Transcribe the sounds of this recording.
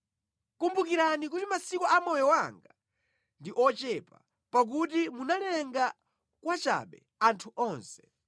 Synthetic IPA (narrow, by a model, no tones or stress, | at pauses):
kumbukiɾanik̬utimasikɔʔamɔjɔwaŋɡa | ndiʔɔt͡ʃɛpa | pak̬utimunalɛŋɡa | kwat͡ʃa̰ɓɛ̰ | antʰuʔɔːnsɛ̥